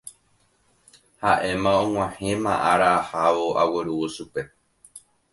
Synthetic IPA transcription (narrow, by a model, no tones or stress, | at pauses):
haʔẽ̞mãõŋ̃ʷãhẽ̞mãʔaɾaːhaʋo̞awe̞ɾuoʃupe̞